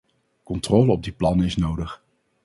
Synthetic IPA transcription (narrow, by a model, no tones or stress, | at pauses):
kɔntroːləɔb̚diplɑnəɪsnowdəχ